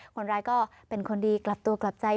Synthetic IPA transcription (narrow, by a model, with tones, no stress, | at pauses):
kʰo˧nɾaː˧jkɔː˥˩ | pe˧nkʰo˧ndiː˧kla˨˩p̚t̪u˧ɐkla˨˩p̚t͡ɕa˧j